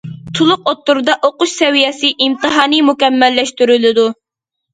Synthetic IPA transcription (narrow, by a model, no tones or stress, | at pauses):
t̪ʰulˠʊq̚ot̪ːuɾd̪ɑʔoqʊʃsɛwijɛsɪʔimt̪ɨɦɑːnɨmukʲɛmːɛlːɛʃt̪yɾylɪd̪u